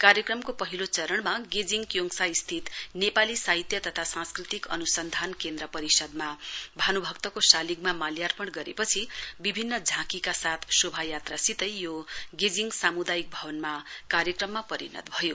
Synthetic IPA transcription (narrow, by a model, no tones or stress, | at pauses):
kaɾjʌkrʌmkopʌɦilot͡sʌɾʌɳmaɡed͡ziŋɡkjoŋsaist̪ʰit̪nepalisaɦit̪jʌt̪ʌt̪ʰasãnskrit̪ikʌ̰nusʌnd̪ʱankend̪ɾʌpʌɾisʌd̪mabʱanubʱʌk̚t̪ʌkosaliɡmamaljarpʌɽɡʌɾepʌt͡sʰibibʱinːʌd͡zʱãkikasat̪ʰsobʱajat̪rasit̪ʌjjoɡed͡ziŋɡsamud̪ajik̚bʱʌbʌnmakaɾjʌkrʌmːapʌɾḭnʌ̰t̪̚bʱʌjo